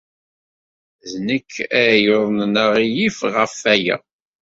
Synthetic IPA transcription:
ðnəkʰːæjoðˤnnəʁijifʁəfæjæ̰

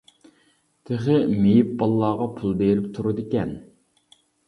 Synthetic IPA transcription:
t̪ʰeχɪmejip̚bɑlˠːɑːʁɑpʰulˠd̪ejlɪp̚t̪ʰuɾɨd̪ɪkʲɛn

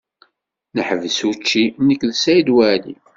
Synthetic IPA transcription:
nəħəvəsut͡ʃːinəkːðəsæjid̪wæli

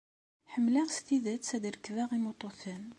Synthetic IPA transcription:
ħəmːlaʁst̪iðæt̪sæd̪əɾəkðæʁimot̪ˤoθən

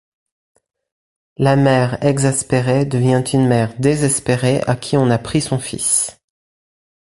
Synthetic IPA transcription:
lamɛʁɛɡzaspeʁed̪əvjɛ̃t̪ʰynmɛʁd̪ezɛspeʁeʔakʲʰiɔ̃napχisɔ̃fḭs

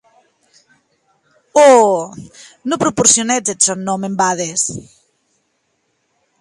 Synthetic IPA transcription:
o | nopɾopoɾsjonet͡set̪sonːomembaðes

